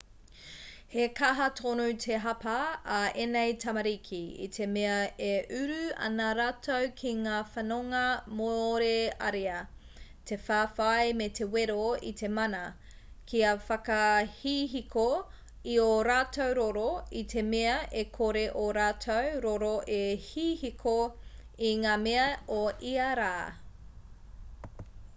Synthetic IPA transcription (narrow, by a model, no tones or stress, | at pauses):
hekɐɦɐtʰonutʰeɦɐpɐːenejtʰɐmɐɾikʰiḭtʰemeɐeʔʉɾʉɐ̰nɐɾaːtʰowkʰiŋaːfɐnoŋɐmoɾeɐɾeɐ | tʰe̞faːfajmetʰeweɾoḭtʰe̞mɐnɐ | kʰiɐfɐkɐhiːɦiko | ioɾaːtʰowɾoɾoitʰe̞meɐʔekʰoɾeʔoɾaːtʰowɾoɾoʔehiːhikʰo | iŋaːmeɐoiɐɾaː